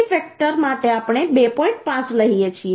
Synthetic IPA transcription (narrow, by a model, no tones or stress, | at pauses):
fɛk̚ʈəɾmaʈeapɽ̃ebepɔĩɳʈ̚pãt͡ʃləɦijet͡ʃʰi